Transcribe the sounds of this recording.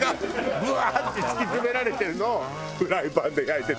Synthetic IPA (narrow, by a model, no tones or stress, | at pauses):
ɡabɯ̟aisɨ̥kʲizɨme̞ɾaɾe̞t̪e̞ɾɯ̟no̞ː | hɯ̟ɾaibãnd̪e̞jait̪e